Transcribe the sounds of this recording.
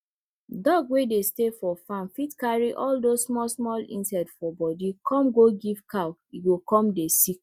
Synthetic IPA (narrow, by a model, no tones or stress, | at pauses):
dɔɡwedestefɔfãnfitkaɹiʔɔldosmɔsmɔlḭ̃nsɛtsfɔbɔdikʰɔ̃mɡoɡivkʰawiɡokɔ̃mdesik̚